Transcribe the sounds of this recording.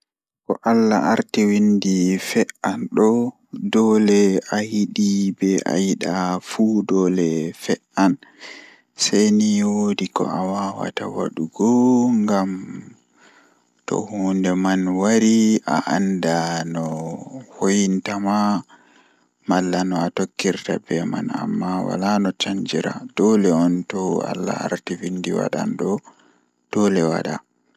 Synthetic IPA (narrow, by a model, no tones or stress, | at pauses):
kɔʔalːa̰ʔaɾtiwindifɛʔanɗɔ | dɔlɛahiɗibɛʔa̰jiɗafudɔlɛfɛʔan | sajniwodikɔ̰ʔawawa̰ta̰wa̰ɗuɡɔŋɡam | tɔ̰huːndɛmanwaɾiʔaʔandanɔhojintama | malːanɔatokːiɾta̰bɛmana̰mːawa̰lanɔt͡ʃaɲd͡ʒiɾa̰d̥ɔlɛɔntɔa̰lːa̰a̰ɾtivindiwa̰ɗa̰nɗɔ | d̥ɔlɛwa̰ɗa̰